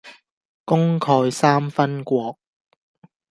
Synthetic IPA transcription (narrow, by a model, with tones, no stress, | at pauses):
kʊ˥ŋkʰɔː˧jsaː˥mfɐ˥nkʷɔː˧k̚